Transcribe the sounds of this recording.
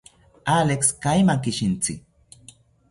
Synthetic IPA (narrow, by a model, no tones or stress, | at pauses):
alekskajmakɪʃɪnt͡sɪk̚